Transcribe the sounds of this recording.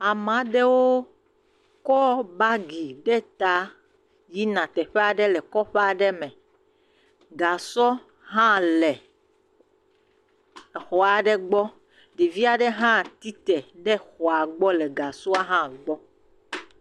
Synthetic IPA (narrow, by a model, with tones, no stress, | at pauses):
a˨mã˨˦ɖɛ˦wo˦ | kɔ˦ba˦ɡi˨ɖɛ˦t̪a˦ | ji˦nã˨t̪ɛ˨ɸɛ˦a˨ɖɛ˦lɛ˨kɔ˦ɸe˦a˨ɖɛ˦mɛ̃˨ | ɡa˨sɔ˦ | ɦã˦lɛ˨ | xɔ˨a˨ɖɛ˦ɡ͡bɔ˦ | ɖi˨vi˦a˨ɖɛ˦ɦã˦t̪i˦t̪ɛ˨ɖɛ˦xɔ˨a˨ɡ͡bɔ˦lɛ˨ɡa˨su˦a˦ɦã˦ɡ͡bɔ˦